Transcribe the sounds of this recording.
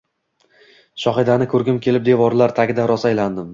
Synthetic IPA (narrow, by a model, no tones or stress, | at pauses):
ʃɒχɪd̪anɪkʰɵɾɡʲɪmkʲʰe̞lɪp̚d̪e̞vɒɾlaɾt̪ʰaɡʲɪd̪aɾɒsajland̪ɪm